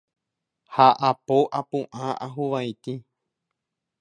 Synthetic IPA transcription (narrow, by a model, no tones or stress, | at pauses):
haʔapoʔapũʔãʔaɦuʋajt̪i